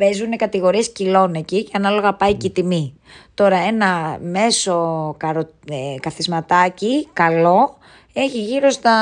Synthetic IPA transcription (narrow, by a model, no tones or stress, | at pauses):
pe̞zune̞kɐt̪iɣo̞ɾie̞scilo̞neciceɐnɐlo̞ɣɐpɐicit̪imi | t̪o̞ɾɐe̞nɐme̞so̞kɐɾo | ekɐθizmɐt̪ɐcikɐlo̞ | e̞çiʝiɾo̞st̪ɐ